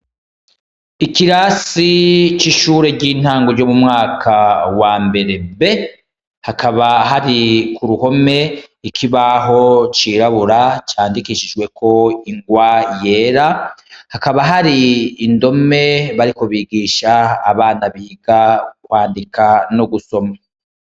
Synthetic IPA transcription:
ikiɾasit͡ʃiʃuːɾe̞ɾɟiːn̥haːŋɡoɾɟomumŋaːkʰawaːmbe̞ɾe̞be̞ | hakʰaβaɦaɾikuɾuho̞me̞ | ikʰiβaɦo̞t͡ʃiːɾaβuɾat͡ʃaːndikiʃid͡ʒɡwe̞kʰo̞iŋɡwaje̞ːɾahakaβaɦaɾiːndo̞me̞βaɾiko̞βiːɡiːʃaːβaːnaβiːɡ̥akwaːndikʰanoɡuso̞ma

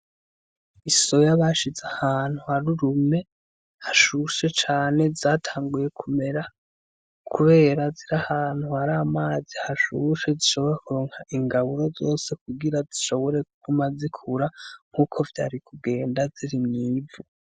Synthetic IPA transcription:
iso̞jaβaʃizahaːn̥huhaɾuɾume̞ | haʃuʃe̞t͡ʃaːne̞zaːtʰaːŋɡuje̞kʰume̞ɾa | kʰuβe̞ːɾaziɾahaːn̥huhaɾaːmaːzihaʃuʃe̞ziʃo̞βo̞ɾekuɾo̞ːŋhaʔiŋɡaβuɾo̞zo̞ːse̞kuɡiɾaziʃo̞βo̞ɾe̞kuɡumazikʰuɾaŋ̥huːkʰo̞vja̰ːɾikub̚ɡe̞ːndaziɾimɲiːvu

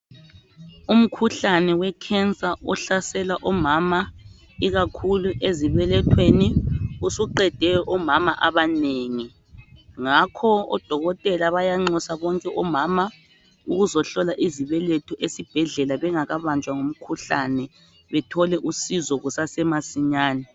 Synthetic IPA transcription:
um̩kʰuɬanɛwɛkʰɛnt͡sʼaʔɔɬasɛlaʔɔmama | iɣakʰuluʔeziβɛlɛtʰweniusuǃɛd̥ʱɛjɔʔɔmamaʔaβaneːŋi | ŋakʰɔɔ̰d̥ʱɔɣɔtʼɛlaβajaŋ͡ǀɔsaβɔŋkʼɛʔɔmaːma | uɣuzɔɬɔlaʔiziβɛlɛtʰɔʔesib̥ʱɛɮɛlaβɛŋaɣaβand͡ʒʱwaŋum̩kʰuɬanɛ | βɛtʰɔlɛʔusizɔɣusasɛmasiɲaːnɛ

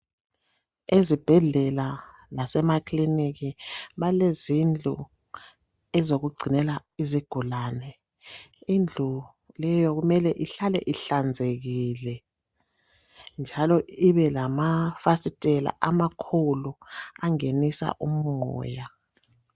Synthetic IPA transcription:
ezib̥ʱɛɮɛla | lasɛmakʰʼliniɣiβalezind͡ɮʱṵ | ɛzoɣuɡ͡ǀʱinɛlaiziɡ̥ʱulaːnɛ | ind͡ɮʱu | lɛjɔɣumɛlɛʔiɬalɛʔiɬand͡zʱeɣilɛ | nd͡ʒʱalɔiβɛlamafasitʼɛla̰ʔamakʰoluaŋenisa̰ʔumɔɔːja

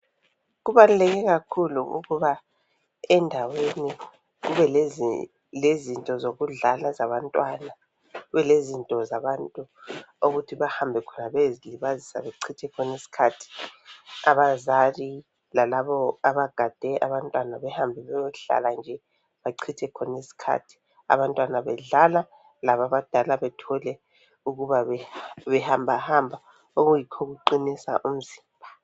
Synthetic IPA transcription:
ɣuβalulɛɣɛɣakʰuluʔṵɣuβa | ɛndʱaweni | ɣuβɛl | lezintʼɔzoɣuɮalazaβantʼwana | ɣuβɛlezintʼɔzaβantʼuuɣutʰiβahambʱɛkʰɔnaβeziliβazisa̰βeǀʰitʰɛkʰɔnesi̥kʰatʰi̥ | aβazali | lalaβɔaβaɡ̥ʱad̥ʱɛʔaβantʼwanaβɛhambʱɛβɛjɔɬa̰land͡ʒʱɛ | βaǀʰitʰɛkʰɔnesi̥kʰa̰tʰi̥ | a̰βantʼwanaβɛɮala | laβaβad̥ʱalaβɛtʰɔlɛ | uɣuβaββɛhambʱahambʱa | oɣujikʰoɣuǃinisa̰ʔum̩ziːmbʱa

